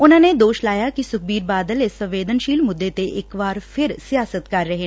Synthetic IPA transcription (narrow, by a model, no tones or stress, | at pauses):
ʊnãːneːd̪oːʃlaːjaːkisʊk̚ʰbiːɾbaːd̪əlɪsːə̃mʋeːd̪ənʃiːlmʊd̪ːeːt̪eʔɪkʋaːɾpʰɪɾsɪjaːsət̪kəɾːəɦeː